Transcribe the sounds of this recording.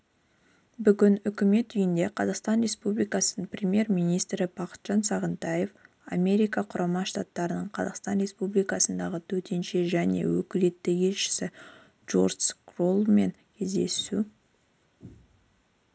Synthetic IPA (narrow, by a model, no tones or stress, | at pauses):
bʏɡʲɪnʏkʲɪme̞t̪ʏjɪnd̪e̞qʰɑzɑqst̪ɑnre̞spublijkɑsənəɴprʲemje̞ɾmijnijst̪ɾɪb̥ɑqə̥t̪ʒ̥ɑnsɑʁənt̪ɑje̞f | a̰mʲe̞ɾijkɑqʰʊɾʔɑmɑʃt̪ɑt̪ːɑɾənəɴqʰɑzɑ̰qst̪ɑnɾe̞spublijkɑsənd̪ɑʁət̪ʰɵt̪e̞nʃe̞ʒæne̞̰wɵ̰kʲɪle̞t̪ːɪje̞lʃɪ̥sɪ | ʒo̰rd̪skrolˠme̞ŋkʲʰe̞zd̪e̞̰su